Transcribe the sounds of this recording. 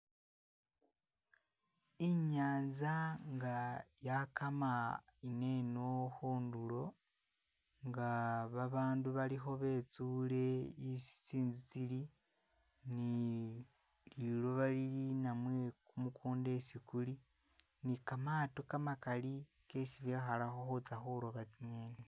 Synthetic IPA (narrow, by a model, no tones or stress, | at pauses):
iɲaːnzaŋɡajakamaine̞no̞hoːndulo̞ | ŋɡaβaβaːnduβaliɦo̞βe̞ːt͡suːle̞isi̥t͡siːnzit͡sili | ni | lilo̞βaliɾinamwe̞kumukʰuːnde̞sikuli | nikamaːtokamakali | ke̞siβjexalaxoxut͡saxoloβat͡siɲe̞ːne